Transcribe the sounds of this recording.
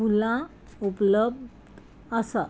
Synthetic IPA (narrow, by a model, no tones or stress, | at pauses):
ulã | upləbd̪ | əsa